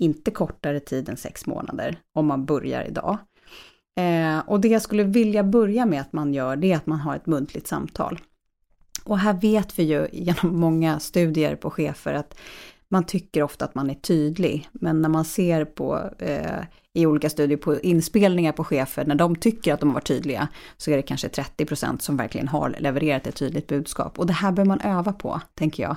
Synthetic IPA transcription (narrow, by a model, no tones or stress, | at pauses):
ɪnt̪əkʰɔʈːaɾət̪ʰiːd̪ɛnsɛ̰ksmo̰ːna̰d̪ə̰ɾɔmːanbɵɾja̰ɾɪ̰d̪ɑ̰ː | ʔɔd̪ɛjaskɵlːəvɪljabɵɾjamɛat̪manjœːɖɛat̪manɦaɾɛ̰t̪mɵnt̪ʰlɪk̚t̪sa̰mt̪ʰɑ̰ːl | ʔɔɦæːɾveːt̪vɪjɵjeːnɔmːɔŋːast̪ʉ̟ːd̪ɪə̰ɾpʰɔɧeːfə̰ɾat̪ | mant̪ʰʏkːəɾɔft̪aːt̪manæʈʰyːd̪lɪ̰ɡmɛnːæɾmanseːɾpʰɔ̰ | ɪuːliːkast̪ʉːd̪ɪəɾpʰɔʔɪnspeːlnɪŋaɾpʰɔɧeːfəɳæɖɔmt̪ʰʏkːəɾat̪̚d̪ɔmavaʈʰːy̰ːd̪lɪɡa̰sɔæɖɛkʰanʂət̪ʰɾɛt̪ːɪpʰɾʊsɛ̰nt̪sɔmvæ̰ɾklɪ̰ɡə̰nɦa̰ɾlɛvəɾeːɾat̪ɛt̪ʰːyːd̪lɪk̚t̪bʉ̟ːd̪skɑ̰ːpɔd̪ɛhæːɾbœːvmanʔøːvapʰɔ̰t̪ʰɛŋkəjɑ̰ː